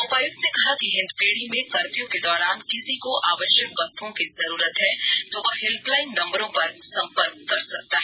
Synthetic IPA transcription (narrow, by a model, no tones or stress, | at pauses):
opaːjʊkt̪nekɐɦakiɦɪ̃nd̪peːɽ̤imẽkɐɾpijõked̪ɔːɾaːnkɪsikoʔaːʋəʃjəkʋɐst̪uõkizɐɾuːɾət̪ɦɛt̪oʋɐɦɪlplaːɪnːɐ̃mbəɾõpɐɾsɐ̃mpəɾk̚ːɐɾsɐk̚t̪aɦɛ